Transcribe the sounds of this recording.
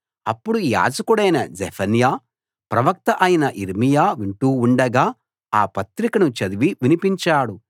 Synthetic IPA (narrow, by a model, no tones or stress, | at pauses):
ɐ̰pːuɽuja̰ːd͡ʒɐkuɽɐjnɐd͡ʒepʰɐnjaː | pɾɐʋɐk̚t̪ɐʔɐjinɐʔiɾmijaːʋiɳʈuːɳɖɐɡaː | aːpɐt̪ɾikɐnut͡ʃɐd̪uʋiʋinipiɲt͡ʃaːɽu